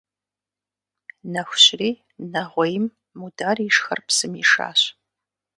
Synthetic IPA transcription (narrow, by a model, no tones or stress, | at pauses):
nɐxʷʊɕriː | nɐʁʷɔjɪmː | udaːriʂxɐ̰rpsɨmḭʂa̰ːɕ